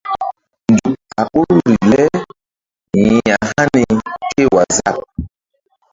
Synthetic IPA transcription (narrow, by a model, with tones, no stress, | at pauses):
ndu˨k̚a˨ɓu˦ɾu˦ɾi˨lɛ˦ | jĩ˨a˨ha˦ni˨kʰe˦˨wa˨za˦˨p̚